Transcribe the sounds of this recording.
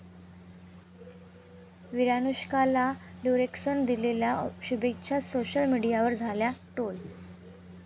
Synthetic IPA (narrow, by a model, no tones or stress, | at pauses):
ʋiɾanuɕkalaɖjuɾeksənd̪ileljaɕubek̚t͡ɕʰasoɕəlmiɽijaʋəɾd͡zʱaljaʈol